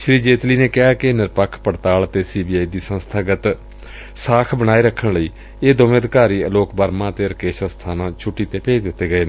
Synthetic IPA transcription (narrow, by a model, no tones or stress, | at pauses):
ʃɾiːd͡ʒeːt̪liːneːkɪɦaːkɪnɪɾpəkʰpəɽt̪aːlt̪eːsiːbiːaːiːd̪iːsənst̪ʰaːɡət̪ | saːkʰbəɽaːiːɾəkʰəɳləiː | eːd̪omẽːd̪kaːɾiːəloːkbəɾmãːət̪eːɾəkeːʃast̪ʰaːnãːt͡ʃʰʊʈːiːt̪eːpeːd̪ɪt̪ːeːɡəeːneː